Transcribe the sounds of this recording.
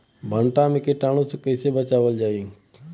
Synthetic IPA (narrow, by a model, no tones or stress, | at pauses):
bʱəɳʈãmẽkeʈaːɽ̃õsekəɪsebət͡ʃaːʋəld͡ʒaːĩ